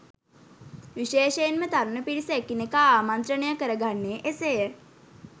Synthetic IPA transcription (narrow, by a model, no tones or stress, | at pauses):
ʋiʃeːʃejenmət̪aɾunəpiɾisəekinekaaːmant̪ɾənejəkəɾəɡʱanːeːʔesejə